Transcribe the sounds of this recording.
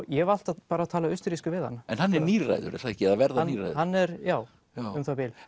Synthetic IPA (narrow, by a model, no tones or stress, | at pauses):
jɛval̥t̪aðpaːɾaːðt̪ʰaːlaʏst̪ʏɾiskʏvɪðha̰nːaɛnhanːɛɾniːɾa̰jðʏ̰ɾɛ̰θaɛhcɪɛðavɛɾðaniːɾra̰jðhanːɛɾjaːw | ʏmθabɪːl